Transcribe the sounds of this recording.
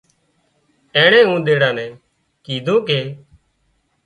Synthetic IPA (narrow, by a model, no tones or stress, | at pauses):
ɛ̃ːɳẽːũːd̪eːɽãːnɛ̃ː | kiːd̪ʱõːkeː